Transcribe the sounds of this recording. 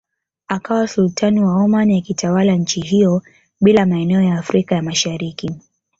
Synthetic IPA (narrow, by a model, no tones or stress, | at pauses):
akawasultʰaniwaɔmanijakitʰawalaɲ̩t͡ʃiɦijɔ | ɓilamaɛnɛɔjaːfɾikajamaʃaɾiki